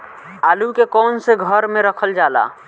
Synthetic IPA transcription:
aːlukekɔːnseɡʱəɾmẽɾəkʰəld͡ʒaːla̰ː

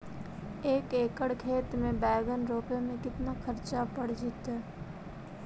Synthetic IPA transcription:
eːkeːkəɽkʰeːt̪mẽbɛːɡənɾoːpemẽkɪt̪naxkʰɐɾt͡ʃapəɽd͡ʒɪt̪ɦɛː

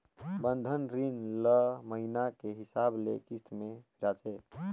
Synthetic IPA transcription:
bənd̪ʱənɾinləməɦinakeɦisablḛkist̪ʰmepʰiɾat͡ʃʰɛ

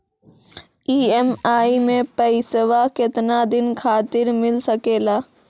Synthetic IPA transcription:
iːɛmaːimẽpəɪsəwakɪt̪nad̪ɪnkʰaːt̪ɪɾmɪlsəkeːlaː

